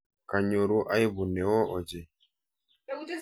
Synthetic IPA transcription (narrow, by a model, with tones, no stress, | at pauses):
ka˨ɲo˨ɾu˦ʔa˦i˦bu˨nɛ˨wɔ˦ʔɔ˨d͡ʒɛ˨